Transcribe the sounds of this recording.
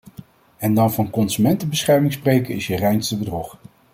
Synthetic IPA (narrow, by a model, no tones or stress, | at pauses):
ɛndɑnvɑnkɔnsymɛntəbəsχɛɹmɪŋsprejkəɪsjərɛjnstəbədrɔχ